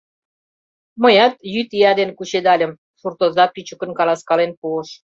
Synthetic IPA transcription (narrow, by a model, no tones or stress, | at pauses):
məjɑt̪jyt̪iɑd̪enkut͡ɕed̪ɑlʲəm | ʃurt̪ozɑpyt͡ɕə̆kə̆nkɑlɑskɑlenpuəʃ